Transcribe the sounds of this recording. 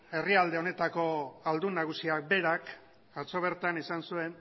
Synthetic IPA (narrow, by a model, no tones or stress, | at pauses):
e̞riald̪e̞o̞ne̞t̪ako̞ald̪unaɣ̞usiak̚be̞ɾak | at͡so̞β̞e̞ɾt̪anisansue̞n